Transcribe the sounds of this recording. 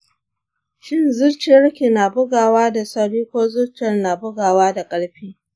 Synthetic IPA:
ʃɪ˦nzʊ˦ɽt͡ʃɪ˨jɐ˦ɽkʲi˨na˨bʊ˦ɡaː˨waː˦da˨sɐ˦ɽiː˦kʷoː˦zʊ˦ɽt͡ʃɐ˨rna˨bʊ˦ɡaː˨waː˦da˨kʼɐ˦ɽɸiː˦

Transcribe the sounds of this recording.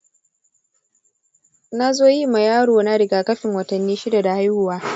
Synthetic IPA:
na˦zoː˦ji˦ma˨jaː˦ɽoː˨na˦ɽɪ˨ɡaː˨kɐ˦ɸɪ˨ŋwɐ˨tɐ˨nːiː˦ʃɪ˦da˨da˨ha˦jhʊ˨waː˦

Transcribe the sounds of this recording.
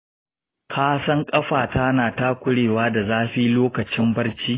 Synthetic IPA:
kʰaː˦sɐ˦ŋkʼɐ˦ɸaː˨ta˦naː˨ta˦kʷʊ˦ɽeː˨waː˦da˨zaː˦ɸiː˦loː˦kɐ˨t͡ʃɪ˦mbɐ˦rt͡ʃiː˦

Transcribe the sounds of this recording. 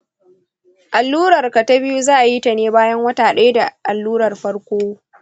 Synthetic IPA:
ʔa˨lːuː˦ɽɐ˨rka˨ta˦bɪ˦ju˦zaː˦ʔa˨ji˦tɐ˨neː˦baː˦jɐ˦ŋwɐ˦taː˨ɗa˦jda˨ʔa˨lːuː˦ɾɐ˨rɸɐ˦ɽkʷoː˦

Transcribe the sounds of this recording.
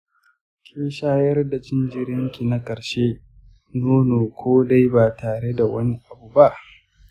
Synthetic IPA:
kʲʰeː˦ʃaː˦jɐ˦rda˨t͡ʃɪ˦nd͡ʒɪ˦ɾjɐ˦ŋkʲi˨na˦kʼɐ˨ɽʃeː˦ | noː˦noː˨kʷʰoː˦da˦jbaː˨taː˨ɽe˦da˨wɐ˦ni˦ʔa˨bu˨ba˦ʔ

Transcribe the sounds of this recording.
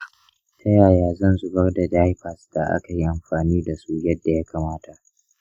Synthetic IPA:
tʰɐ˦jaː˨jaː˨zɐ˦nzʊ˨bɐ˦rda˨d͡ʒaː˦jɸɐ˨sd̥a˨ʔa̰˦ka˨ji˦ʔa˨mɸaː˨niː˦da˨suː˦jɐ˦dːa˨ja˦kʰaː˨maː˦ta˨ʔ

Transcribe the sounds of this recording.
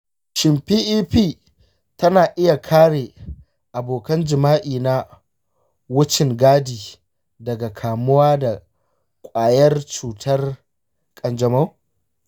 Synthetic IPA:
ʃɪ˨mpiː˦ʔiː˦ɸiː˦˨ | tɐ˦naː˨ʔɪ˦ja˨kʰaː˦ɽeː˨ | ʔa˨boː˨kɐ˦nd͡ʒɪ˨maː˦ʔiː˨na˦ | wʊ˦t͡ʃɪ˨ŋɡaː˦diː˨ | dɐ˨ɡa˨kʰaː˨mʊ˦waː˦da˨ | kʷʼaː˨jɐ˦rt͡ʃuː˨tʰɐ˦r | kʼɐ˨nd͡ʒɐ˨ma˦w

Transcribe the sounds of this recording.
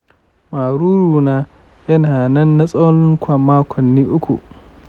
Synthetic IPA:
maː˨ɾuː˦ɾuː˨naː˦ | jɐ˦naː˨nɐ˦nːa˦sʼo˦lɪ˦ŋkʷʰɐ˨mmːaː˦kʷʰɔ˨nːiː˦ʔʊ˦kʷṵ˨ʔ

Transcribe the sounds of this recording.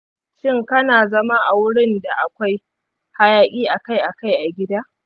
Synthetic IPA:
ʃɪ˦ŋkɐ˦naː˨zɐ˦ma˦ʔa˨wʊ˦ɽɪ˦nda˨ʔa˨kʷa˦j | ha˦jaː˦kʲʼiː˦ʔa˨ka˦jʔa˨ka˦jʔa˨ɡʲɪ˦daː˦ʔ

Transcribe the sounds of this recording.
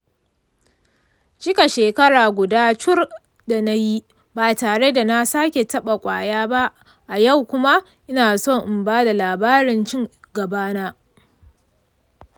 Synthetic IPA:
t͡ʃɪ˦ka˨ʃeː˨kɐ˦ɽaː˨ɡʷʊ˨daː˦t͡ʃʊ˦r | da˨na˦ji˦ | baː˨taː˨ɽe˦da˨na˦saː˦kʲe˨tɐ˦ɓa˨kʷʼa̰ː˨jaː˦ba˦ | ʔa˨ja˦˨wkʷʊ˦ma˦ | ʔɪ˦naː˨so˦˨ŋʔɪ˨mbaː˦da˨laː˨baː˦ɾɪ˨nt͡ʃɪ˦ŋɡɐ˨baː˦naː˦

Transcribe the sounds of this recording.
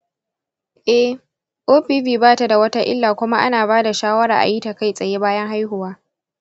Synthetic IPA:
ʔɛ˦ | ʔoː˦ɸiː˦ɸiː˨baː˦ta˨da˨wɐ˦ta˦ʔɪ̰˦lːaː˨kʷʊ˦ma˦ʔa̰˦naː˨baː˦da˨ʃaː˦wɐ˦ɾa̰ː˨ʔa̰˨jiː˦ta˨ka˦jsʼɐ˨je˦baː˦jɐ˦ŋɦa˦jɦʊ˨waː˦

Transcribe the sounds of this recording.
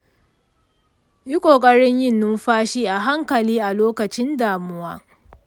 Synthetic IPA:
ji˦kʷʼoː˨kʼɐ˦ɽɪ˦ɲjɪ˦˨nːʊ˦mɸaː˦ʃiː˦ʔa˨ɦa˦ŋkɐ˨liː˦ʔa˨loː˦kɐ˨t͡ʃɪ˦ndaː˨mʊ˦waː˦

